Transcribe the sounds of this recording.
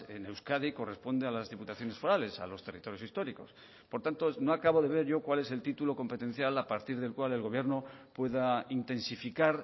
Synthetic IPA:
enewskaðiko̞re̞spo̞nd̪ealazðiput̪aθjo̞ne̞sfo̞ɾale̞sa̰lo̞st̪e̞rit̪o̞ɾjo̞sist̪o̞ɾiko̞s | po̞ɾt̪ant̪ono̞akaβo̞ðe̞β̞e̞ɾʝo̞kwale̞se̞lt̪it̪ulo̞ko̞mpet̪e̞n̟θjalapaɾt̪iɾðe̞lkwale̞lɣo̞β̞je̞ɾno̞pwe̞ðaint̪e̞nsifikaɾ

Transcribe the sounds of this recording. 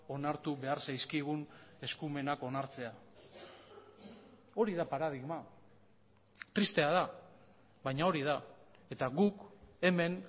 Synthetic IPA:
o̞naɾt̪uβe̞aɾsajskiɣ̞une̞skume̞nako̞naɾt͡se̞a | o̞ɾiðapaɾað̞iɣma | t̪ɾist̪e̞aða | βajɲao̞ɾiðae̞t̪aɣuke̞me̞n

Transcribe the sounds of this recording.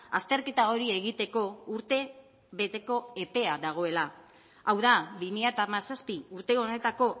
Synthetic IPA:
ast̪e̞ɾke̞t̪ao̞ɾie̞ɣit̪e̞ko̞uɾt̪e̞ | βe̞t̪e̞ko̞e̞pe̞aðaɣ̞o̞e̞la | awðaβimiʎat̪amasaspiuɾt̪e̞o̞ne̞t̪ako̞

